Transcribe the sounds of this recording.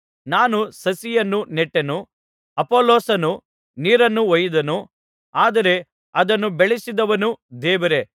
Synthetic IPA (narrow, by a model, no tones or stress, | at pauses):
naːnusɐsijɐnːunɛʈːenu | ɐpoːloːsɐnu | niːɾɐnːuɔjid̪ɐnu | aːd̪ɐɾe̞ | ɐd̪ɐnːubeɭisid̪ɐʋɐnud̪ɛːʋɐɾe̞